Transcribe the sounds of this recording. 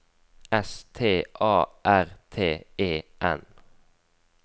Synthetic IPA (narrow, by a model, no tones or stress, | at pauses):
ɛst̪ʰeːʔɑːʔæʁt̪ʰeːeːʔɛ̰n